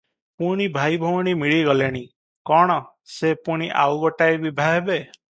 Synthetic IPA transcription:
puɽ̃ibʱajbʱɔwɽ̃imiɭiɡɔleɽ̃i | kɔɽ̃ɔ | sepuɽ̃iʔa̰wɡɔʈaebibʱaɦebe

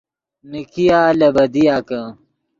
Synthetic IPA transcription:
nikijaːlɐbɐd̪ijaːkɐ

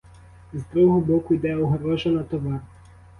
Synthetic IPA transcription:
zd̪ɾuɦɔbɔkʊjd̪ɛɔɦɾɔʒɐnɐt̪ɔʋɑr

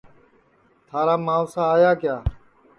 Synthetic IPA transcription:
t̪ʰaːɾaːmaːʊsaːaːjaːkjaː

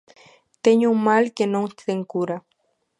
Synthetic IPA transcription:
t̪eɲuŋmalkenoŋeŋkuɾa

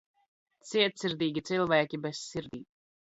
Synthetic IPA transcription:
t̪siɛt̪siɾd̪iːɡʲit̪silˠvæːkʲibɛssiɾd̪iːt̪

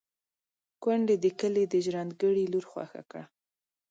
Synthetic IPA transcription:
kwaɳɖed̪əkəled̪əʒɾɑnd̪ɡəɽiluɾxwa̰xa̰kɽa

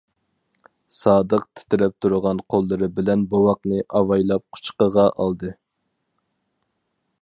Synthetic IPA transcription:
sɑːd̪əqt̪ʰɪ̥t̪ɪɾɛp̚t̪ʰuɾʊʁɑnqʰolˠːɨɾɨbɪlɛnbowɑqnɨʔɑwɑjlˠɑp̚qʰʊ̥t͡ʃqəʁɑʔɑlˠd̪ɨ

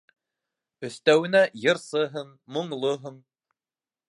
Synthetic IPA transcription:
ɵ̆θt̪æwɘ̆næjɤ̆ɾsɤɦɤɴːŏɴlˠoɦɤɴ

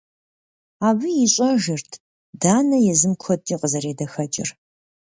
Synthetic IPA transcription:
aːbɨjiɕʼɐʒɪrtʰ | daːnɐjɛzɨmkʷʰɔtʼːiːqəzɐɾeːdɐxɐt͡ʃʼɪ̰r

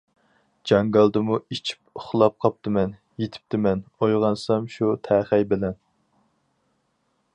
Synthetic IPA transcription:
d͡ʒɑŋɡɑlˠd̪ɨmuit͡ʃʰi̥p̚ʊχlˠɑp̚qʰɑp̚t̪ɨmɛn | jet̪ʰɪ̥p̚t̪ɪmɛnojʁɑnsɑmʃut̪ʰæχæjbɪlɛn

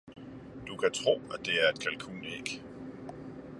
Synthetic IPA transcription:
d̥ukʰæt͡sʰʁo̝̰ːæd̥e̝æɐe̝d̥̚kʰælkʰṵːneɡ̥

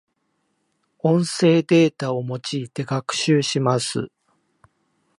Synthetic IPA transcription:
õ̞ɰ̃se̞ːd̪e̞ːt̪ao̞mo̞t͡ɕiːt̪e̞ɡakɯ̟̥ɕɨːɕimasɨ̰

